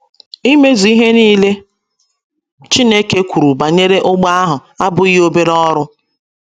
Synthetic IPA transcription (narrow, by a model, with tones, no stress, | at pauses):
i˦me˦zu˨i˦ɦe˦niː˦le˦ | t͡ʃi˦ne˦ke˦kʷu˨ɾu˨ba˨ɲe˦ɾe˦ʔʊ˦ɡ͡ba˦a˦ɦʊ˨a˦bʊ˨˦i˦ɦo˦be˦ɾɔ˦ɾʊ˦